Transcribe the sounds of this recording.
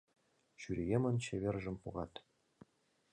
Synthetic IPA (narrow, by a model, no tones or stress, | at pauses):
ɕyɾejemə̆nt͡ɕeβʲerʒə̆mpoɣɑt̪